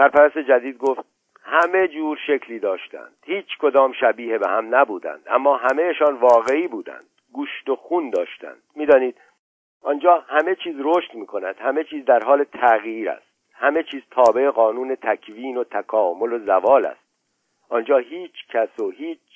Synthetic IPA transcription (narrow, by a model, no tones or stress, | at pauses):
sæɾpæɾæst̪e̞d͡ʒæd̪iːd̪̚ɡoft̪̚ | hæme̞d͡ʒuːɾʃe̞cʰliːd̪ɒːʃt̪æ̰nd̪̥hiːt͡ʃʰkʰo̞d̪ɒːmʃæbiːhebehæmnæbuːd̪æ̰nd̪̥ʔæmːɒːɦæme̞jeʃɒːnvɒːɣe̞iːbuːd̪æ̰nd̪̥ | ɡuːʃt̪o̞xuːnd̪ɒːʃt̪æ̰nd̪̥miːd̪ɒːniːd̪̥̚ | ʔɒːnd͡ʒɒːhæme̞t͡ʃʰiːzɾoːʃt̪miːkʰo̞næd̪̥hæme̞t͡ʃʰiːzd̪æɾɦɒːle̞t̪ʰæɣiːɾæ̰st̪̚ | hæme̞t͡ʃʰiːz̥t̪ʰɒːbe̞eɣɒːnuːne̞t̪ʰækʰviːno̞t̪ʰækʰɒːmolo̞zævɒːlæ̰st̪̚ | ʔɒːnd͡ʒɒːɦiːt͡ʃʰcʰæsohiːt͡ʃ